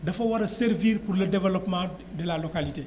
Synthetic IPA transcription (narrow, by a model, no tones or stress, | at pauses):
dɐfɐwɐɾɐseɾviːɾpurlɐdɛvɛlɔpmã | dɛlalokalite